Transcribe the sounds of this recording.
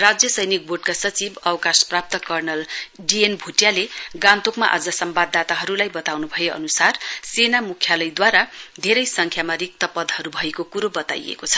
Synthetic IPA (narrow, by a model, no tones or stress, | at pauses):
rad͡zjʌsʌjnik̚bʱoɖkasʌt͡sibʌwkasprap̚t̪ʌkʌrnʌlɖienbʱuʈjaleɡãnt̪okma̰ʔʌ̰d͡zʌsʌmbad̪ːat̪aɦʌɾulajbʌt̪awnubʱʌjeʌ̰nusarsenamukʰjalʌjd̪waɾad̪ʱeɾʌjsʌŋkʰjamarik̚t̪ʌpʌd̪ʱhʌɾubʱʌekokuɾobʌt̪a̰jḛkot͡sʰʌ̥